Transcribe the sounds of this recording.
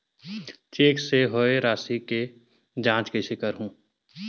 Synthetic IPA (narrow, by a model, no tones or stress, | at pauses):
t͡ʃeːkseɦoeɾaːsike | d͡ʒãːt͡ʃkeʃɪkəɾɦũː